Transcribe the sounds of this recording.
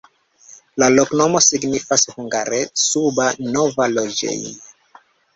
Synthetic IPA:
lalokno̞mo̞siɡnifashuŋɡaɾesubanovalod͡ʒḛjn

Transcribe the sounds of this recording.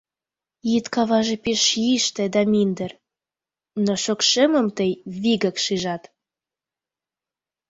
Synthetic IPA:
jit̪kɑβɑʒepeʃjiʃt̪ĕd̪ɑmind̪ər | noʃokʃeməmt̪əjβiɣəkʃiʒɑt̪

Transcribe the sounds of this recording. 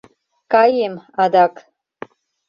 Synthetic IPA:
kajemad̪akʼ

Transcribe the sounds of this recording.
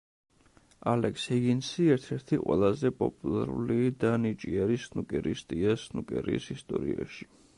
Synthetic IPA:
alɛkshɛɡinsiɛɾt̪ʰɛɾt̪ʰiqʼwɛ̰lˠazɛpʼɔpʼulˠaɾulid̪anit͡ʃʼiaɾisnukʼɛɾist̪ʼiasnukʼɛɾḭsist̪ʼɔɾia̰ʃi̥

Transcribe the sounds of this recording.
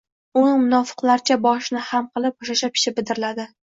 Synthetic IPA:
ʊnɪmʊnɒfɨ̥qlˠaɾɪt͡ʃʰabɒʃnɪhamqʰɨlˠɪp̚ʊʃaʃapʰɪ̥ʃɪbɪd̪ɪɾɪlad̪ɪ

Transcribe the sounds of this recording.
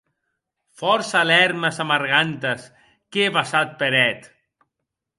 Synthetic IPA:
fɔɾsalɛɾməsamaɾɣant̪əs | keβasat̪̚peɾɛt̪

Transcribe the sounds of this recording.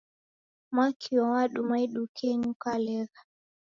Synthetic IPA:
makʰiwɔwaɗumaiɗukʰɛɲukalɛɣa

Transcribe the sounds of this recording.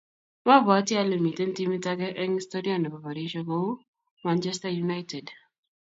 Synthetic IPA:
mabɔatjalemitentimitakɛʔɛŋstodianɛpapaɾiʃɔɡo | mant͡ʃɛstajunajtɛd

